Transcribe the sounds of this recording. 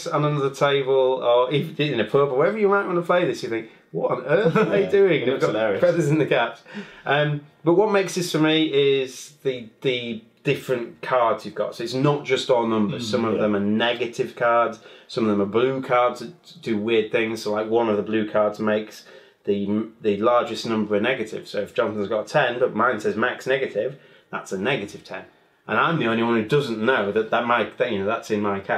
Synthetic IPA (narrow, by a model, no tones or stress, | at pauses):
sə̃nənʌðətʰeɪbəlˠəɪfðɪɪ̃nɨpʰɜʊpəwəɹɛvə˞jəmaɪnʔwə̃nəpʰl̥eɪðɪsjɨθɪ̃ŋk | wɒtn̩ɜˑ˞idʉɪ̃ŋɡfɛðəzɪ̃nðəkʰatʔʌ̃mb̥ʌʔ̚wɒt̚meɪksðɪstʰəmiɪz̥ðɨðɨd̥ɪfɹɨ̃nkʰɑɹdz̥jʉvɡɒ̰tsoʊɪtsnət̚d̥ʒ̥ʌstːnʌ̃mbə˞z̥sʌ̃mʌvðə̃mənɛɡɨtɪv̥kʰɑɹdz̥sʌ̃mʌvðə̃məblʉːkʰɑɹdzʰɨd̥ɨwɪəd̪̚θɪ̃ŋz̥soʊlaɪkwʌ̃nʌvðəblʉːkʰɑɹdzmeɪks | ðɨðɨlɑɹd͡ʒɨsnʌ̃mbə˞ənɛɡɨtɪ̰v̥soʊɨfd̥ʒ̥ɒ̃nsə̃n̩zɡɒtʰɛ̃nbʌʔ̚mãɪ̃nsɛzmaksnɛɡɨtɪv̥ | ða̰tsənɛɡɨtɪv̥tʰɛ̰̃n | ʔə̃nãɪ̃mðiõʊ̃nliwʌ̃nhʉdʌzə̃nnoʊðəʔ̪̚ðət̚maɪðjɨnoʊðatsɪ̃nmaɪkʰa